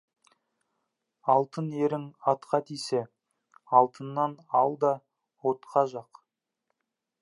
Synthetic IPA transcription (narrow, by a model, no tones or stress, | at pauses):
ɑlˠt̪əneɾɪŋɑt̪qɑt̪ʰijse | ɑlˠt̪ənːɑnɑlˠd̪ɑ | wot̪qɑʒɑq